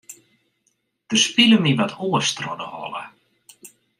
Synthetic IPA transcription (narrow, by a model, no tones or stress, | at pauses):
d̥əspiləmiʋatʰoəstrɔdəhɔ̰lə̰